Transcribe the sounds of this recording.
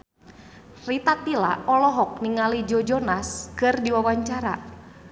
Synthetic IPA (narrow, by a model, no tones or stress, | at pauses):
rit̪at̪ila̰ʔɔlɔɦɔk̚niŋalid͡ʒɔd͡ʒɔnaskɨrdiwawaɲt͡ʃaɾa